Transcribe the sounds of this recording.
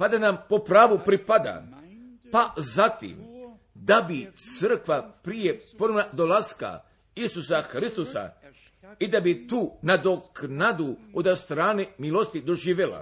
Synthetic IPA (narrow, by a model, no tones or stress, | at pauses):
pad̪anampo̞pɾaːʋupɾipad̪a̰ | pazat̪ḭm | d̪abit̪sər̩kʋapɾije̞ponomnad̪olaska̰ | isusaxɾist̪osa̰ | id̪abit̪uːnad̪o̞knad̪uod̪ast̪ɾaːnemilˠo̞st̪id̪o̞ʒiːʋela̰